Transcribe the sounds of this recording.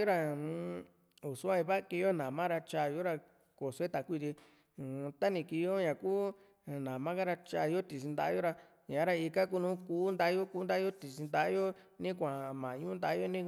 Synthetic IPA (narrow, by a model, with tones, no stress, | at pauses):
o˦ɾa˧ | u˨su˦a˦˧ĩ˧βa˦ki˧jo˦nã˨mã˦ɾa˧t͡ʃa˧jo˦ɾa˧ | ko˨se˦t̪a˨˦kʷi˦˧t̪i˧˨˧ | t̪a˦nĩ˧˨ki˧jo˦ɲã˨kuː˦˨ | nã˨mã˦ka˦ɾa˧t͡ʃa˧jo˦t̪i˨s̬i˧nd̪a˧ʔa˦jo˦ɾa˧ | ɲã˨˦ɾa˧i˧ka˦k̬u˦nũː˨˦kuː˦nd̪a˧˦jo˦ku˦nd̪a˦jo˦t̪i˨si˧nd̪a˧˦jo˦ | nĩ˦kʷã˨mã˨ɲũ˦nd̪a˧˦jo˦nĩ˦